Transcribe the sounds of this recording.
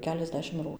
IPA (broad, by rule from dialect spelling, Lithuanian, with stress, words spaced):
kʲɛlʲɛzʲˈdʲæːʃʲɪmt ˈruː